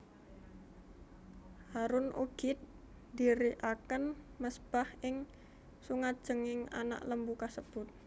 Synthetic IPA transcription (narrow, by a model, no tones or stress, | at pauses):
haɾʊnʔṵɡ̥ɪt̪̚ | diɾiʔakənməsb̥ahʔɪŋ | suŋat̪̚d̥ʒ̥əŋɪŋa̰na̰ʔləmbukasəb̥ʊt̪̚